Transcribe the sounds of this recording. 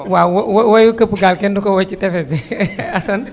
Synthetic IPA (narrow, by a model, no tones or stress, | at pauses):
wawwwajukəpuɡalkɛndukowat͡ʃitɛfɛsdiasan